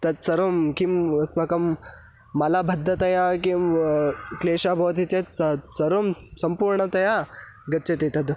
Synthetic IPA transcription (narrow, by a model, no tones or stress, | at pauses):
t̪ɐd̪sɐɾoːmkimɐsmɐkɐmː | ɐlaːbʱɐd̪ʱːɐt̪ɐjakimkleːʃaːbʱɐʋɐt̪it͡ʃet̪sɐsɐɾoːmsɐmpuːɾɳɐt̪ɐjaɡɐt͡ʃɐt̪it̪ɐd̪